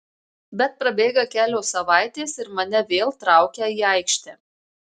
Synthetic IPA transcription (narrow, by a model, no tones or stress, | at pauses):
bʲɛt̪̚pɾɐbʲeːɡɐkʲæːlʲoːsɐʋɑˑɪt̪ʲeːsɪɾmɐnʲɛʋʲeːlˠt̪ɾɑˑʊkʲæːiːɐɪkʃʲt̪ʲɛ